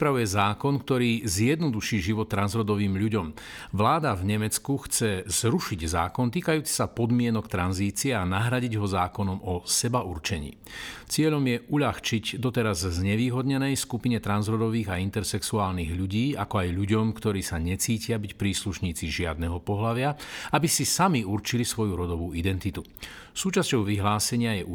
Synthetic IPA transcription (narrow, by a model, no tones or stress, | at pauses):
ɾipɾaujɛzaːkɔnkt̪ɔɾiːzjɛd̪nɔd̪uʃiːʒiʋɔt̪ːɾanzɾɔd̪ɔʋiːmʎuɟɔmʋlaːd̪avɲɛmɛt͡skuxt͡sɛz̥ɾuʃiɟza̰ːkɔnt̪iːkajuːt͡si̥sapɔd̪mɪɛnɔkt̪ɾanziːt͡siɛanaɦɾaɟiɟɦɔzaːkɔnɔmɔsɛbauɾt͡ʃɛɲḭːt͡sɪɛʎɔmjɛʔuʎaxt͡ʃiɟd̪ɔt̪ɛɾazzːɲɛʋiːɦɔd̪ɲɛnɛjskupiɲɛt̪ɾanzɾɔd̪ɔʋiːɣaint̪ɛɾsɛksuaːlniɣʎuɟiːakɔajʎuɟɔmkt̪ɔɾiːsaɲɛt͡siːcɪabicpɾiːsluʃɲiːt͡siʒɪad̪nɛɦɔpɔɦlaʋɪaabisisamiuɾt͡ʃilisʋɔjuɾɔd̪ɔʋuːid̪ɛnt̪it̪u | suːt͡ʃascɔʊʋiɦlaːsɛɲɪajɛ